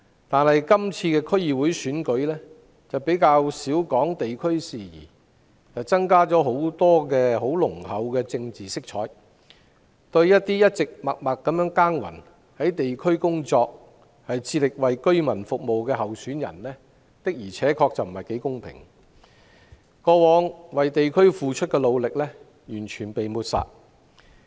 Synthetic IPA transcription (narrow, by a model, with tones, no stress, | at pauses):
t̪aː˨nhɐ˨jkɐ˥mt͡sʰiː˧kɛː˧kʰɵ˥ɥjiː˨wuː˨˥jsyː˨˥nkɵ˨˥ɥlɛː˥ | t͡sɐ˨wpe˨˥jkaː˧wsiː˨˥wkɔː˨˥ŋt̪e˨jkʰɵ˥ɥsiː˨jḭː˨˩ | t͡sɐ˨wt͡sɐ˥ŋkaː˥t͡sɔː˨˥ɦo˨˥wt̪ɔː˥kɛː˧ɦo˨˥wlʊ˨˩ŋhɐ˨˥wkɛː˧t͡sɪ˧ŋt͡siː˨sɪ˥k̚t͡ʃʰɔː˨˥j | t̪ɵ˧ɥjɐ˥t̚t̪iː˥jɐ˥t̚t͡sɪ˨k̚mɐ˨k̚mɐ˨kːɐ˨˧˥mjœː˨˥ŋkaː˥ŋwɐ̰˨˩n | hɐ˨˥jt̪e˨jkʰɵ˥ɥkʊ˥ŋt͡sɔː˧k̚ | hɐ˨jt͡sʰiː˧tlɪ˨k̚wɐ˨jkɵ˥ɥmɐ˨˩nfʊ˨k̚mo˨wkɛː˧ɦɐ˨wsyː˨˥njɐ̰˨˩nlɛː˥ | t̪ɪ˥k̚jiː˨˩t͡sʰɛː˨˥kʰɔː˧k̚t͡sɐ˨wm̩˨˩hɐ˨˩jke˨˥jkʊ˥ŋpʰɪ̰˨˩ŋ | kɔː˧wɔː˨˧˥ŋwɐ˨jt̪e˨jkʰɵ˥ɥfuː˨t͡ʃʰɵ˥t̚kɛː˧lo˨˧wlɪ˨k̚lɛ˥ | jyː˨˩nt͡ʃʰyː˨˩npe˨jmuː˨˧t̚sa̰ː˨t̚